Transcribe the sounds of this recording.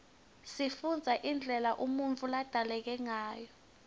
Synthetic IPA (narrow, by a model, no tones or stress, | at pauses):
sifund͡zʱaʔind͡ɮʱɛlaʔumunt͡fʰʼulad̥ʱalɛk̬ɛŋaːjɔ